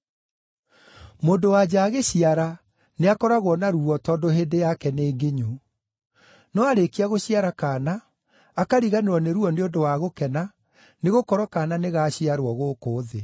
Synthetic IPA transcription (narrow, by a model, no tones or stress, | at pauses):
moːndowad͡ʑaːɣeɕiaɾa | neakɔɾaɣwɔnaɾuɔtɔːndoɦeːndejakɛneːɡeɲu | nɔaɾekiaɣoɕiaɾakaːnaː | kaɾiɣaneɾɔneɾuɔneondowaɣokɛna | neɣokɔɾɔkananeɣaɕiaɾwɔɣoːkoːðe